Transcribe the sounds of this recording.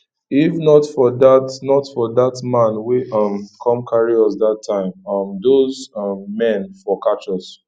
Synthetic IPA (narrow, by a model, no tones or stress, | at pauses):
ifnɔtfɔdatnɔtfɔðatmãnweʌmkʰɔ̃mkʰaɹiɔs̬datʰːãɪ̃mʌmdozʌmːɛ̃nfɔkat͡ʃɔs